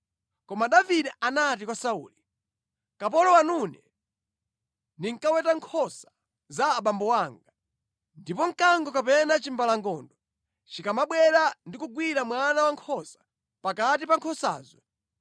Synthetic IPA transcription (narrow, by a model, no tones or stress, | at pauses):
kɔmaɗaviɗɛanat̬ikwasaṵːli | kap̬ɔlɔwanunɛ | niŋkawɛtaŋkʰɔsḁ | zaːɓambɔwaːŋɡa | ndipɔŋ̩kaŋɡɔkapɛnat͡ʃimbalaŋɡɔndɔ | t͡ʃikamaɓwɛɾandikuɡwiɾamwanawaŋkʰɔsḁ | pakatipaŋkʰɔsa̰ːzɔ